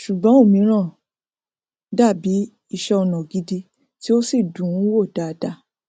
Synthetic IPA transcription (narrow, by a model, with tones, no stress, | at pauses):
ʃu˨ɡ͡bɔ̃˦o˦˨mĩ˨˧˦ɾ̃ã˦˨ | da˦˨bi˨˦ | i˧ʃɛ˧ɔ˧nã˨ɡi˧di˧ | ti˦o˦si˦˨dũ˨˦wo˦˨da˨˧da˧